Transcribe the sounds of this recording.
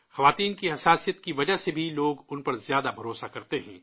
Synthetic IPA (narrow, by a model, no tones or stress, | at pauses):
xɐʋaːt̪iːnkiɦɐsaːsijət̪kiʋɐd͡ʒaɦsebʱiloːɡʊnpɐɾzjaːd̪abʱɐɾoːsakɐɾt̪eɦɛ̰̃ː